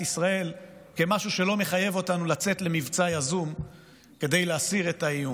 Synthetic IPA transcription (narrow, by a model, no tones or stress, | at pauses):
isʁae̞lke̞maʃuʃe̞lo̞me̞χaje̞vo̞tanulat͡se̞tle̞mivt͡sajazum | ke̞d̪e̞jleasiʁetaiu